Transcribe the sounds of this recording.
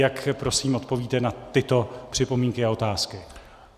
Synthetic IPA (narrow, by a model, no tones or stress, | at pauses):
jakpɾo̞siːmo̞t̪̚po̞viːt̪ɛnat̪ɪt̪o̞pr̥ɪpo̞miːŋkɪao̞t̪aːskɪ